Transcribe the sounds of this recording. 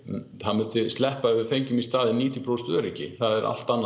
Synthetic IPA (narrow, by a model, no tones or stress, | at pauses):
haðmʏnt̪ʏst̪lɛhpaœvɪɾfejɲcʏmist̪aːðɪniːt̪jʏpʰɾowst̪œ̰ːɾɪcɪ̰θaðɛɾʔa̰l̥t̪anː